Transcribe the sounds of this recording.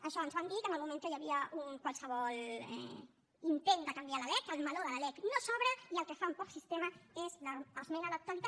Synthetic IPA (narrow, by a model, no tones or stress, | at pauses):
aʃɔanzwand̪it̪ənəlmumẽnt̪ojaβiauŋkwalsəβɔlɛ̰ | int̪end̪əkambjalalɛkalmaloðəlalɛk̪nosɔβɾaialkefaumpɔksist̪emaezlaazmenalak̚t̪walit̪a